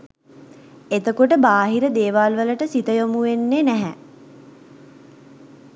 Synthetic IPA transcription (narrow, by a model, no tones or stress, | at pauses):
et̪əkoʈəbaːɦiɾəd̪eːʋaːlʋələʈəsit̪əjomuʋenːenæɦɛ